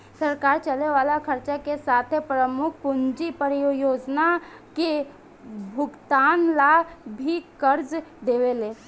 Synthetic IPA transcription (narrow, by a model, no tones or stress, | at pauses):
səɾkaːɾt͡ʃəleʋaːlakʰəɾt͡ʃakesaːt̪ʰepɾəmʊkʰpʊnd͡ʒipəɾijojoːd͡ʒna | ke | bʱʊɡt̪aːnlabʱikəɾd͡ʒd̪eːʋeleː